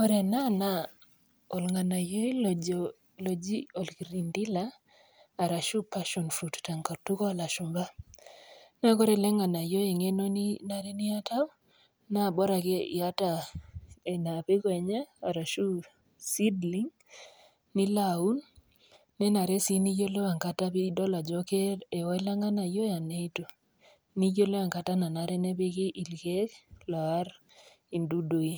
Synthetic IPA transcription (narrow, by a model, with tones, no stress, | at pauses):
kɔ˦ɾe˨na˦na˦ | o˨lŋa˨na˨jo˦i˦l | lo˨d͡ʒi˦o˨lki˨ɾi˨ndi˦laː˦˨ | ɾa˨ʃu˦pa˦ʃɔ˨nfɾu˨tta˨ŋka˨tu˦kɔ˦˨la˨ʃʊ˨mba˦ | na˦ko˦ɾe˦˨lɛ˦ŋa˨na˨jo˦e˨ŋe˦no˦ni˦na˨ɾe˦ni˦a˦ta˦w | na˦˨bɔ˦ɾa˨ke˦ḭ˨a˦ta˦˨ | e˨na˨pe˦kwɛ˨ɲaː˦˨ɾa˨ʃu˦ | si˦dli˦ŋ | ni˦lau˦nː | ɛ˦na˨ɾɛ˦si˦ni˦jo˦le˦wa˨ŋka˦ta˦pɪ˦dɔ˦la˨d͡ʒɔ˦ke˦e˨ɔ˦e˦la˦ŋa˦na˨jo˦ja˨ne˦i˦to˨ | ni˦jo˦le˦a˨ŋka˨ta˦na˨na˨ɾɛ˦nɛ˦pe˦kɪ˦ʔi˨lke˦klɔ˨a˦ɾ | i˨ndu˦do˨i˦